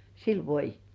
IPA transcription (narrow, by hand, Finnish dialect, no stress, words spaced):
sil ʋoijˑetːiː